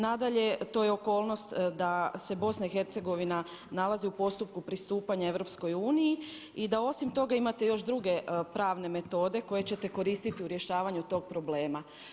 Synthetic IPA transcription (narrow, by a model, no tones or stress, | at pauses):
nad̪aʎe̞t̪o̞jeo̞ko̞ːlˠno̞st̪d̪ase̞bo̞snaixe̞ɾt̪se̞ɡo̞ʋina | nalaziupo̞st̪up̚kupɾist̪uːpaɲae̞ʋɾo̞psko̞juːniji | id̪ao̞simt̪o̞ɡaimat̪e̞jo̞ʃd̪ɾuɡe̞pɾaːʋne̞me̞t̪o̞ːd̪e̞ko̞je̞t͡ɕe̞t̪e̞ko̞ɾiːst̪it̪iuɾje̞ʃaːʋaɲut̪o̞ːɡ̚pɾo̞ble̞ːma